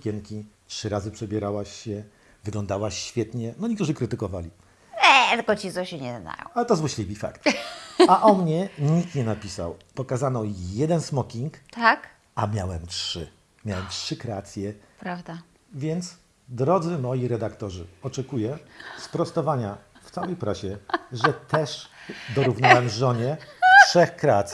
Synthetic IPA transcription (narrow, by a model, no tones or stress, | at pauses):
kʲɛŋkʲitʂɘɾazɘpʂɛbʲjɛɾawaɕːɛ | vɘɡlɔnd̪awaɕfʲjɛt̪ɲɛnɔɲʲɛkt̪uʐɘkɾɘt̪ɘkɔvalʲi | ɛt̪kɔt͡ɕiɔɕɛɲɛzna̰jɔ̰̃w̃alɛt̪ɔzwaɕlʲibʲifa̰kt̪aʔɔmɲɛɲikt̪ɲɛnapʲisa̰wpɔkazanɔjɛd̪ɛnsmɔkʲiŋkt̪ak | amʲjawɛmtʂɘ̰ | mʲjawɛmtʂɘkɾɛat̪sʲjɛpɾavd̪a | vʲjɛnt̪s | d̪ɾɔd̪zɘmɔjiɾɛd̪akt̪ɔʐɘɔt͡ʂɛkujɛspɾɔst̪ɔvaɲa | ft̪sawɛjpɾaɕɛʐɛt̪ɛʂd̪ɔɾuvnawɛmʐɔɲɛtʂɛxkɾɛat̪sʲ